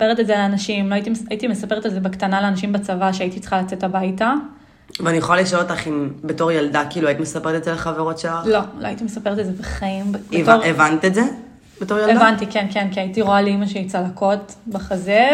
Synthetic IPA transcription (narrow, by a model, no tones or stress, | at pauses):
peʁetezeleanaʃimloajit̪̬imajitime̞sapeet̪elzebekt̪analeanaʃimbat͡savaʃeaitit͡se̥χalat͡setabajta | veanijeχolaliʃaelotaχimbeto̞ʁjaldakiːluait̪imesapeʁet̪ezeleχaveʁo̞tʃelalo̞loajit̪imesape̞ʁet̪ezebeχaimbevtoʁevant̪etze | b̥eto̞ʁjaleavantikenkenkaitiʁoaleimaʃeit͡salako̞tbaχaze